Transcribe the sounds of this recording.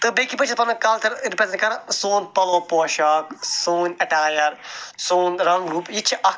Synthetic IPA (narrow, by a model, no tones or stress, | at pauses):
t̪ɨbekipɐt͡ʃʰipɐnɐkɐlt̪ɐɾɾipɾezẽɳʈkɐɾãsoːnpɐloːpoːʃaːksoːnɐʈaːjɐɾsoːnɾɐ̃ŋɡɾuːpjit͡ʃʰiʔɐ